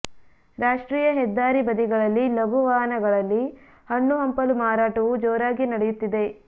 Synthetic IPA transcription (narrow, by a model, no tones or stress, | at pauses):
ɾaːʂʈɾiːjɐɦɛd̪ːaːɾibɐd̪iɡɐɭɐlːilɐɡuʋaːɦɐnɐɡɐɭɐlːi | hɐɳːuɦɐmpɐlumaːɾaːʈɐʋud͡ʒɔːɾaːɡinɐɽejut̪ːid̪e̞